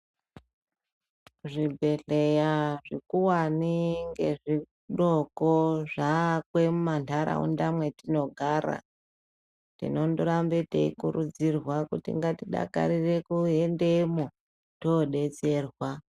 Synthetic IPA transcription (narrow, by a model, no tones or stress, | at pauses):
ʐibʱe̞ɮe̞jaʐikuwaniŋɡe̞ʐi | ɗokoʐakwe̞mumantʰaɾa̰ṵndamwe̞tino̞ɡʱaːɾa̰ | tḭno̞ndoɾambetḛḭkuɾud͡zirwakutḭŋɡatiɗa̰ka̰ɾire̞kuendemo | toɗe̞t͡se̞ːrwa